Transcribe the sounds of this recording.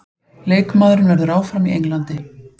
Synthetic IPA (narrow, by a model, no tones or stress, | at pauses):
leːjkmaːðɾʏnvɛɾðʏɾaːwfɾamiʔejŋlant̪ɪ